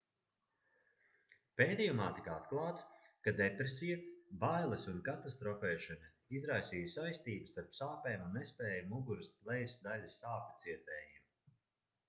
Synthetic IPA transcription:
peːt̪ʲijumaːt̪ikat̪klˠɑːt̪skad̪epɾesijɐbajlˠesunkat̪ast̪ɾɔpɛːʃanʲa | izɾajsiːjsajst̪iːbɨst̪aɾpsaːpɛːmunːɛspɛːjamuɡuɾɨsplˠɛjsd̪alʲɐsaːpɛt̪siɛt̪ɛːjim

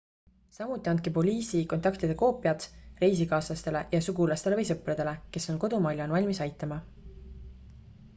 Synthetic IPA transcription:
sɑmut̪ːˑiɑnd̪̚kipo̞lʲiːsiko̞nt̪ˑɑkt̪id̪̥eko̞ːpːˑjɑt̪re̞jsikɑːslɑst̪e̞le̞jɑsuɡulɑst̪e̞le̞vɤjsɤpred̪̥e̞le̞ke̞so̞nko̞d̪̥umɑlʲjɑnvɑlʲmisɑjt̪ːˑɑmɑ

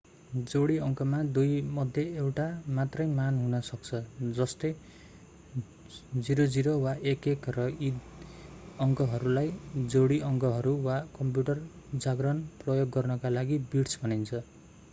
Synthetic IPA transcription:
d͡zoɽiʌŋkʌmad̪ujmʌd̪ʱjʌewʈamat̪rʌjmanɦunʌsʌkt͡sʰʌd͡zʌst̪ʌj | d͡ziɾod͡ziɾowaʔekekrʌid̪ | ʌŋkʌɦʌɾulajd͡zoɽiʌŋkʌɦʌɾuwakʌmpjuʈʌr | d͡zaɡrʌnprʌjoɡːʌrnʌkalaɡibiʈsbʱʌnint͡sʰʌ

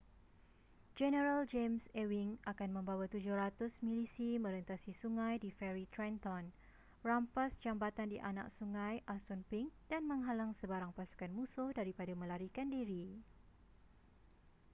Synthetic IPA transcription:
d͡ʒɛnəɾald͡ʒemsewiŋakanmə̃mbawat̪ud͡ʒʊhrat̪ʊsmĩlisimə̃ɾənt̪asisuŋãjdifɛɾit̪ɾɛnt̪ɔn | rampasd͡ʒambat̪andiʔana̰k̚suŋãjʔasɔnpɪŋdanmə̃ŋɦalaŋsəbaɾaŋpasu̥kanmũsʊdaɾipadamə̃laɾikandiɾi

